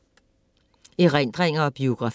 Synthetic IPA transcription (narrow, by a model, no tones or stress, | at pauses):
eʁɛnd̥ʁɛŋ̰ɐɒb̥io̝ɡ̥ʁɑ̈f